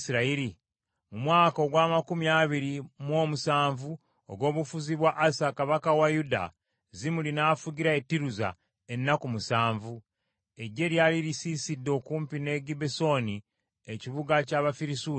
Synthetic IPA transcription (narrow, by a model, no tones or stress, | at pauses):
siɾaiɾi | mumwaːko̞ɡwaːmakumiaβiɾimwo̞ːmusaːɱvu | o̰ɡo̞ːβufuziβwaʔːsakaβakawajuda̰ | zimulinaːfuɡiɾaetːiɾuza̰ | e̞nːakumusaːɱvu | e̞ɟːe̞ljaːliɾisiːsidːo̞kuːmpine̞ɡibeso̞ni | eciβuɡacaβafiɾisuː